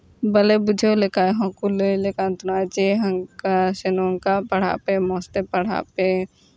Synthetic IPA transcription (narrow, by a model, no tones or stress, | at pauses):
bəlebʊd͡ʒʱolekajɦɔ̃kulelekant̪ʊnat͡ʃeɦɐŋkasenoŋkapɐɽ̤a̰pemɔ̃ːst̪epɐɽ̤a̰pe